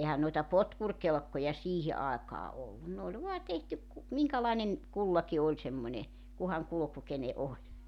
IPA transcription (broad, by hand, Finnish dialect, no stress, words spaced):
ehæn noitɑ potkurkelkːojɑ siːhi ɑekɑː olːun ne olʲ ʋoɑ tehtyk ku miŋkælɑinen kulːɑki olʲ semːonʲe kuhɑŋ kuluku kene ʔolʲ